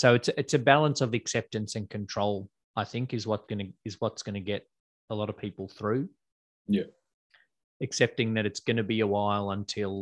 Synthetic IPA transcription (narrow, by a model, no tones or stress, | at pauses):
soʊɨtsɨtsɨbælˠə̃nsʌvɨksɛp̚tɨ̃nsɨ̃nkʰɨ̃n̩tʰɹ̥oʊlˠ | aɪθɪ̃ŋkɨzwʌtsɡ̥ʌnɨɨzwʌtsɡ̥ʌñɨɡɛɾ | əlɔɾʌv̥pʰipl̩ˠθɹʉ | jæ | ɨksɛp̚tɪ̃ŋðɨɾɨtsɡ̥ʌnɨbiɨwaɪlˠə̃ntʰɪlˠ